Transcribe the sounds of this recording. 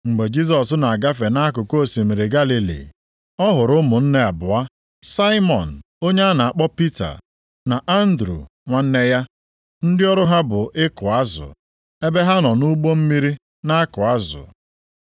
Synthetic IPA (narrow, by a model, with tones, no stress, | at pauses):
ŋ͡m̩˨ɡ͡be˨d͡ʒi˦s̬ɔ˨sna˨a˨ɡa˦f̬e˨na˦a˦kʊ˨ko˦˨si˨mi˨ɾe˨ɡa˦li˨lḭ˨ | ɔ˦ɦʊ˨ɾʊ˦mʊ˨n̩˦ne˦a˨bʊ˨a˦ | sa˦ɪ˦mɔ̰˨n̩˨ | o˦ɲe˦a˦na˨a˨k͡pɔ˦pi˦ta̰˨ | na˨ʔa˦n̩˦dɾṵ˨ | ŋʷa˦n̩˦ne˦ja˦ | n̩˦dɪ˦ɔ˦ɾʊ˦ɦa˦bʊ˨ʔɪ˦kʊ˨a˦zʊ̰˨ | e˦be˦ɦa˦nɔ˨nu˦ɡ͡bo˦m̩˦mi˦ɾi˦ | na˦a˦kʊ˨a˦zʊ̰˨